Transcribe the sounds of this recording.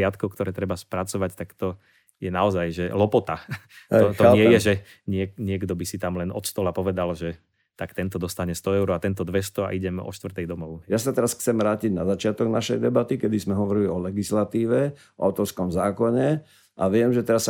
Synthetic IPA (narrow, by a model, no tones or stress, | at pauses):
ɪat̪kɔkt̪ɔɾɛːt̪ɾɛbaspɾat͡sɔʋact̪akt̪ɔ | jɛnaɔzajʒɛlɔpɔt̪a | ɔɔɲɪɛjɛʒɛ | ɲɪɛɲɪɛɡd̪ɔbisit̪amlɛnɔ̰t̪st̪ɔlapɔʋɛd̪alʒɛ | t̪akt̪ɛnt̪ɔd̪ɔst̪aɲɛst̪ɔɛʊɾɔat̪ɛnt̪ɔd̪ʋɛst̪ɔa̰ʔiɟɛmɔ̰ʃt̪ʋr̩t̪ɛjd̪ɔmɔʊjasat̪ɛɾasxt͡sɛmɾaːciɟnazat͡ʃɪat̪ɔɡnaʃɛjd̪ɛbat̪ikɛd̪izmɛɦɔʋɔɾiliɔlɛɡislat̪iːʋɛ | ɔa̰ʊt̪ɔɾskɔmzaːkɔɲɛ | ʔaʋɪɛmʒɛt̪ɛɾas